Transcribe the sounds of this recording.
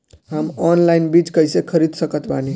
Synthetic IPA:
ɦəmɔnlajnbit͡ʃkəjsekʰəɾid̪səkət̪bani

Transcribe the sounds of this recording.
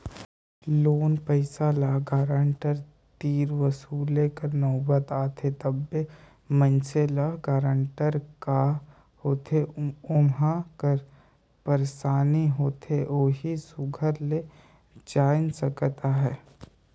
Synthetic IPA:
loːnpəɪsalaɡaːɾəɳʈəɾ | t̪iːɾʋəsuːlekəɾnɔːbət̪aːt̪ʰet̪əbːe | mə̃nt͡ʃelaɡaːɾəɳʈəɾka | hoːt̪ʰeʊmakəɾ | pəɾsaːniɦoːt̪ʰeʔoːɦisʊɡʱəɾle | d͡ʒaːɪnsəkət̪aɦɛː

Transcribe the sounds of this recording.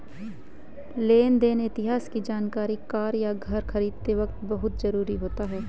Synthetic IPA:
leːnd̪eːneɪt̪ɪɦaːskid͡ʒaːnkaːɾikaːɾjaɡʱɐɾxʰɐɾiːd̪̚t̪eʋɐk̚t̪bɐɦʊt̪zɐɾuːɾiɦoːt̪aɦɛː

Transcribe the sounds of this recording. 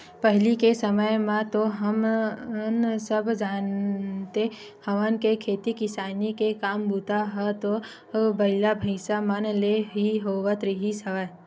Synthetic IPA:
pəɦlikesəməjmãt̪oɦɐm | nsəbʱd͡ʒaːnt̪e | hɐʋənkekʰeːt̪ikɪsaːnikekaːmbuːt̪aɦɛt̪o | bɐɪlabʱəɪsamənleɦiɦoːʋət̪ɾiɦisɐʋa

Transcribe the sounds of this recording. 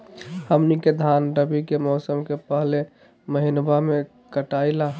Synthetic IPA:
həmniked̪ʱanɖəbikemɔːsəmkepəɦle | məɦinbame | kəʈaila

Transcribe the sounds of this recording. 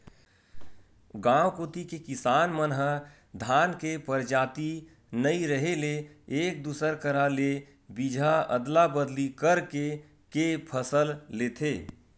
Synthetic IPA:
ɡãːwkoːt̪ikekɪsaːnmənɦə | d̪ʱaːnkepəɾd͡ʒaːt̪i | nəiɾəɦeleeːk̚d̪uːsəɾkəɾale | bid͡ʒʱaə̰d̪labəd̪likəɾke | kepʰəsəlleːt̪ʰeː

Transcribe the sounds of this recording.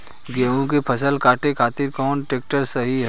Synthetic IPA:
ɡeːõk̬epʰɐsəlkʰaːʈekʰaːt̪ɪɾkɔːnʈeːk̚ʈəɾsɐɦiɦɛ

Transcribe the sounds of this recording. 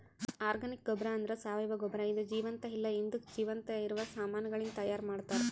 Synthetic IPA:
aːɾɡɐnik̚ɡɔbɾɐːnd̪ɐɾesaːʋɐjʋɐɡɔbɾɐid̪ud͡ʒiːʋɐnt̪ɐɦilːɐind̪ukd͡ʒiːʋɐnt̪ɐiɾuʋɐsaːmaːnɐɡɐɭint̪ɐjaːɾmaːɽt̪aːɾe

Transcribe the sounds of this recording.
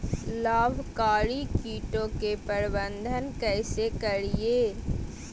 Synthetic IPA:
laːbʱkaːɾikiːʈõkepəɾbə̃nd̪ʱənkɛːsekɐɾieː

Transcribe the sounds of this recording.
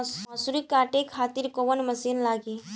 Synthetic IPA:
məsuɾikaːʈekʰat̪iɾkoʋənməsiːnlaːɡi

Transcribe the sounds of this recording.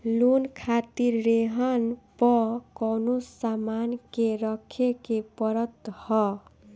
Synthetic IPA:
lunkʰat̪iɾːeɦʌnpʌkʌnosamankeɾʌkʰekepʌɾʌt̪hʌ

